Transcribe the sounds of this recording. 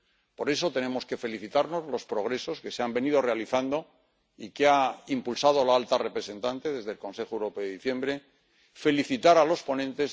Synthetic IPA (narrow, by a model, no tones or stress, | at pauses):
po̞ɾe̞so̞t̪e̞nẽ̞mo̞ske̞fe̞liθit̪aɾno̞zlo̞spɾo̞ɣɾe̞so̞ske̞seambe̞nið̞o̞re̞aliθand̪o̞ | ikeaimpulsað̞o̞laalt̪arepɾe̞se̞nt̪ant̪e̞ðe̞zðe̞lko̞nse̞xoewɾo̞peeiθje̞mbɾe̞ | fe̞liθit̪aɾalo̞spo̞nẽnt̪e̞z